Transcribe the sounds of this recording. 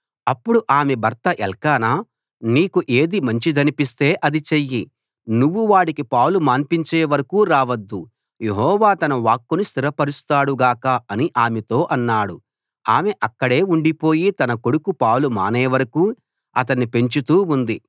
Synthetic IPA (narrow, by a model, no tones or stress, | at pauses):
ɐpːuɽuʔaːmebɐɾt̪ɐʔɛlkaːnaː | niːkuʔe̞ːd̪imɐɲt͡ʃid̪ɐnipist̪e̞ːʔɐd̪it͡ʃejːi | nuʋːuʋaːʈikipaːwlumaːmpiɲt͡ʃeːʋɐɾɐkuːɾaːʋɐd̪ːu | je̞ɦɔːʋaːt̪ɐnɐʋaːkːunust̪iɾɐpɐɾust̪aːɽuɡaːkɐɐniʔaːmet̪o̞ːʔɐnːaːɽu | aːmeʔɐkːɐɽe̞ːuɳɖipo̞ːjit̪ɐnɐko̞ɽukupaːwluma̰ːneːʋɐɾɐkuː | ɐ̰t̪̬ɐnːipe̞ɲt͡ʃut̪uːund̪i